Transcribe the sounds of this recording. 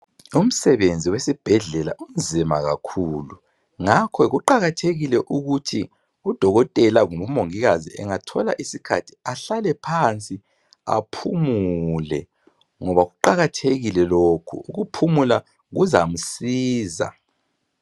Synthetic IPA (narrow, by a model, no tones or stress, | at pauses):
um̩sɛβend͡zʱiwesib̥ʱɛɮɛlaʔund͡zʱima̰ɣa̰kʰuːlu | ŋakʰɔɣuǃaɣatʰeɣilɛʔuɣutʰi | ud̥ʱɔɣɔtʼɛlaŋuβumoŋiɣaziɛ̰ŋatʰɔla̰ʔisikʰa̰tʰi̥aɬalɛpʰant͡sʼi | a̰pʰumuulɛ̰ | ŋɔβaɣuǃaɣatʰeɣilɛlokʰṵuɣupʰumula | ɣuzam̩siːza̰